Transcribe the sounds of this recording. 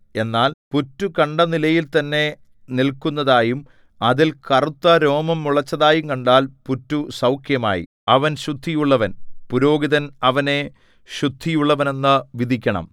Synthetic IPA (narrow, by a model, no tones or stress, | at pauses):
e̞nːaːlputːukɐɳɖɐnilɐjilt̪ɐnːe̞ | nilkːunːɐðaːjum | ɐðilkɐrut̪ːɐɾo̞ːmɐmːuɭɐt͡ɕːɐðaːjumkɐɳɖaːlputːusɐwkʰjɐma̰ːjḭ | ɐʋɐnɕud̪ʱːijuɭːɐʋɐnpuɾo̞ːɡiðɐnɐʋɐne̞ | ɕud̪ʱːijuɭːɐʋɐne̞nːɨʋid̪ʱikʲːɐɳɐ̰m